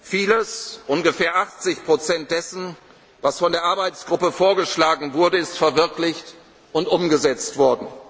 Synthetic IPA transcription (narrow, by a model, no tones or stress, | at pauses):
fiːləsʔʊnɡəfeːɐʔaχt͡sɪçpʁ̥ot͡sɛnt̚d̥ɛsn̩ | vasfɔndeːɐʔaɐbaɪt͡sɡ̥ʁʊpəfoːɐɡəʃlaːɡŋ̩vʊɐdəɪstfɛɐvɪɐklɪçt | ʔʊntʔʊmɡəzɛt͡stv̥ɔɐdn̩